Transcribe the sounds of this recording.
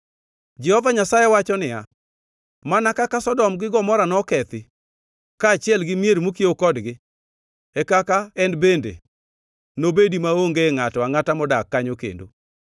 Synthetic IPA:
d͡ʒɛhɔvaɲasajewat͡ʃɔnɪja̰ | manakakasɔdɔmɡɪɡɔmɔɾanɔkɛt̪ɪ | kaːt͡ʃɪɛlɡɪmjeɾmokiokɔdɡɪ | ɛkakaɛnbendḛ | nobedimaoŋɡeŋatɔaŋatamɔdakːaɲokḛndo̰

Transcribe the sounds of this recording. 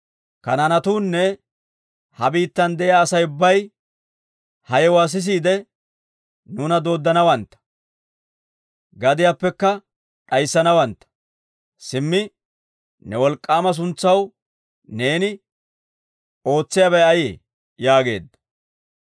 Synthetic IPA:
kɐnɐnɐt̪uːnːɛ | hɐbiːt̪ːɐnd̪ɛjaːsɐjʊbːɐj | hɐjɛwaːs̬ɪs̬iːd̪ɛ | nuːnɐd̪o̞ːd̪ːɐnɐwɐnt̪ːɐ̥ | ɡɐd̪ɪjaːpːɛkːɐ | ᶑʼɐjsːɐnɐwɐnt̪ːɐ̥ | sɪmːɪ | nɛwɔlkʼːaːmɐs̬ʊnt͡sːɐw | ne̞ːnɪ | o̞ːt͡sːɪjabɛjɐjeː | jaːɡe̞̰ːd̪ːɐ̥

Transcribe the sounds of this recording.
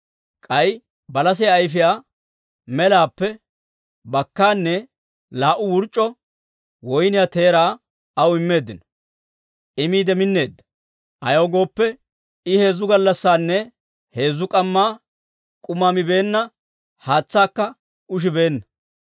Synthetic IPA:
kʼɐj | bɐlɐs̬ɛjaːjfɪjaː | mɛlaːpːɛ | bɐkːaːnːɛ | laːʔʊwʊɾt͡ʃʼːɔ | wɔjnɪjat̪e̞ːɾaː | ɐwɪmːe̞ːd̪ːɪnɔ | ʔɪmiːd̪ɛmɪnːe̞ːd̪ːɐ | ʔɐ̰joːɡo̞ːpːɛ | ɪhe̞ːzːʊɡɐlːɐsːaːnːɛ | he̞ːzːʊkʼɐmːaː | kʼʊmaːmɪbe̞ːnːɐ | haːt͡sːaːkːɐ | ʊʃ̬ɪbe̞ːnːɐ

